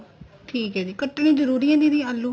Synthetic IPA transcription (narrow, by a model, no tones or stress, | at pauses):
ʈʰiːkɦɛːd̪iːkəʈːñĩːzəɾuːɾijãːd̪iːd̪iːalːuː